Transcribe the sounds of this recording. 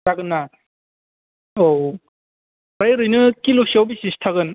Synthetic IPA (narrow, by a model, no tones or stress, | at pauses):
aɡɯnːa | ow | ɾajɾɯjnɯkiluk̚siawbisistʰaɡɯn